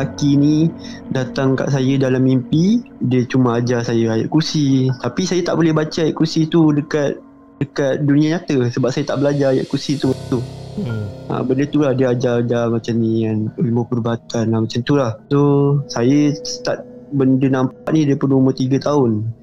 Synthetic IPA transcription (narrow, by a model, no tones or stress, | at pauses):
lakini | dat̪aŋka̰ʔsajədalamːimpidiət͡ʃumãad͡ʒasajəaja̰ʔkursit̪apisajət̪a̰ʔbolɛhbat͡ʃəajaʔkursit̪udəkat̪̚ | dəkat̪̚dunĩaɲat̪əsəbap̚sajət̪aʔbəlad͡ʒaaja̰ʔkursit̪umaat̪u | a̰bəndət̪ulahdiəad͡ʒad͡ʒamat͡ʃamnianiliməpərbaat̪anamat͡ʃant̪ulahsosajəsə̥t̪at̪̚bəndənampaʔnĩdiəpənumʊt̪iɡət̪aʊn